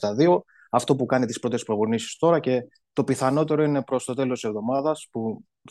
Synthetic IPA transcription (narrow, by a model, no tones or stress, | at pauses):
t̪ɐðio̞ | ɐft̪o̞pukɐnit̪ispɾo̞t̪e̞spɾo̞vunisi̥st̪o̞ɾɐce̞ | t̪o̞piθɐno̞t̪e̞ɾo̞ine̞pɾo̞st̪o̞t̪e̞losse̞vðo̞mɐðɐspu